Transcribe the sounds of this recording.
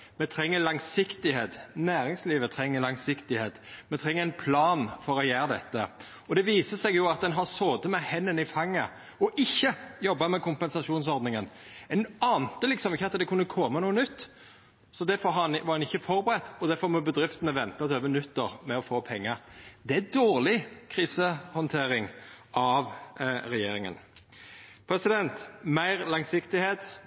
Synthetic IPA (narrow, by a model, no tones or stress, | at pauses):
mɛt̪ʰɾɛŋːəlɑŋsɪkt̪ɪheːt̪næːɾɪŋsliːʋət̪ʰɾɛŋːəɾlɑŋsɪkt̪ɪheːt̪mɛt̪ʰɾɛŋːəʁɛɪnpʰlɑːnfɔɾɔjæːɾəd̪ɛt̪ːə | ɔd̪ɛʋiːsəsɛɡjʊɑt̪̚d̪ɛnɦɑʁsoːd̪əmɛhɛnːənɪfɑŋːə | ɔʔɪçːəjɔbːɑmɛkʰʊmpɛnsɑʂuːnsɔɾd̪nɪŋənɛnɑːnt̪əlɪksɔmɪçːəɑt̪d̪ɛkʰʉnːəkʰɔmənuːənʏt̪ː | sɔd̪æɾfɔɾɑɑnʋɑɾd̪ɛnɪçːəfɔɾbəɾɛt̪ːɔd̪æɾfɔɾmɔbəd̪ɾɪft̪ənəʋɛnt̪ɑt̪ʰøːʋənʉt̪ːəɾmɛɔfoːpʰɛŋːəɾd̪ɛæd̪oːʁlɪkʰʁiːsəhɔnt̪ʰeːɾɪŋʔɑʋɾɛjeːɾɪŋə̰n | pʰɾɛsɪd̪ɛnt̪mæɪɾlɑŋsɪkt̪ɪheːt̪